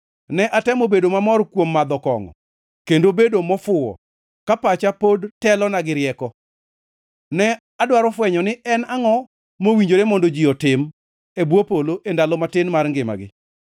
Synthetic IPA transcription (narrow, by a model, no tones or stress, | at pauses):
nɛʔatɛmobedomamɔrkwomːad̪ɔkɔ̰ŋɔ̰ | kendobedomɔfʊɔ̰ | kapat͡ʃapodtɛlɔnaɡɪɾjɛkɔ | nɛ | adwaɾɔfwɛɲɔnɪɛnaŋɔ | mowiɲd͡ʒoɾemɔndod͡ʒiɔtɪm | ebwopoloʔendalɔmatɪnmarŋɡɪma̰ɡɪ̰